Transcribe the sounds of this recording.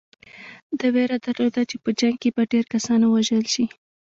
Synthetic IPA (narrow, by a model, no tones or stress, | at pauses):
d̪əweɾad̪aɾlod̪at͡ʃepəd͡ʒaŋɡ̚kebaɖeɾkasɑnwaʒəlʃi